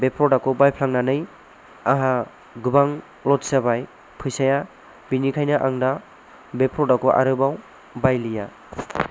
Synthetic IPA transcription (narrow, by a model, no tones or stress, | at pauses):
bepʰɾɔdakɔbajpʰlaŋnanɯj | aɦa | ɡubaŋ | lɔtsabaj | pʰɯjsaja | binikʰajnaʔaŋda | bepʰɾɔdakɔʔa̰ɾɯbaw | bajlija